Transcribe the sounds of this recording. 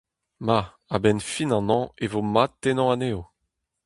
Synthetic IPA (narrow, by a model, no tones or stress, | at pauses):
ma | abɛnfinɑ̃nɑ̃evomat̚ːenɑ̃aneo